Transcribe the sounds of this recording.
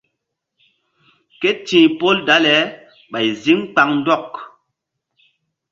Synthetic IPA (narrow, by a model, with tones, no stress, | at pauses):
ke˦tĩ˨po˦lda˨˦lɛ˨˦ | ɓa˨jzi˦ŋk͡pa˨˦ŋn̩˦dɔ˦˨k